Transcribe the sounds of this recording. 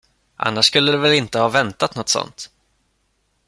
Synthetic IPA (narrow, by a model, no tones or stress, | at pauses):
ʔa̰nːaʂskɵlːəd̪ɛvɛlɪnt̪əhɑːvɛnt̪at̪nɔt̪ːsɔ̰nt̪